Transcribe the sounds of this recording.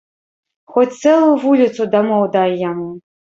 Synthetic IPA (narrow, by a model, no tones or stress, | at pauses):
xɔt͡sʲt̪sɛlˠʊjuvulʲit̪sud̪amɔwd̪ajjamu